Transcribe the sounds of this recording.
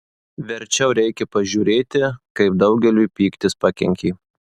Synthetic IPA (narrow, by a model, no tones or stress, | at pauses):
ʋʲɛɾʲt͡ʃʲɛʊɾʲɛɪkʲɛpɐʒʲuːɾʲeːt̪ʲɪkɐɪp̚d̪ɒʊɡʲɛlʲuːpʲiːkt̪ʲɪspɑkʲɛ̰ŋʲkʲiː